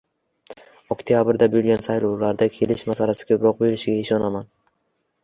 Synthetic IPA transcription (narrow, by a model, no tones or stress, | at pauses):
ɔkt̪ʰijabɪɾd̪abilɡʲansajlˠowlaɾd̪akʲʰe̞lɪʃmasalasɪ̥ɡʲaʊbɾɒq̚be̞ɾɪʃɪɡʲaɪʃɒnaman